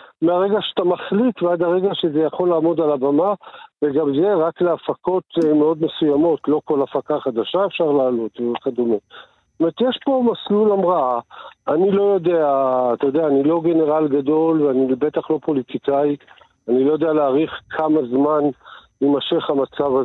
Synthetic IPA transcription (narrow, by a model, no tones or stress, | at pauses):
meaʁe̞ɡaʃeat̪amaχlitvead̪aʁe̞ɡaʃezejaχo̞lːaːmo̞d̪alabamaveɡamze̞ʁakleafako̞tmeo̞d̪me̞sujamo̞tlo̞ko̞lafakaχad̪aʃae̞fʃaʁlaːlo̞t̪vekad̪ome | tomet̪jeʃpo̞maslulamʁaaanilo̞jo̞deaːt̪ajod̪eaːnilo̞ɡe̞ne̞ʁalɡado̞lveanibe̞t̪aχlo̞po̞lit̪ikai | anilo̞jo̞d̪ealeaʁiχkʰamazmanlimaʃeχamat͡sava